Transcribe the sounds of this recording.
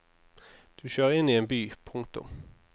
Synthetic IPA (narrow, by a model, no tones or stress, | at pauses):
d̪̥ʉɕøːʁəɪnːiːeːnbyːpʰʊŋt̪ʊ̰m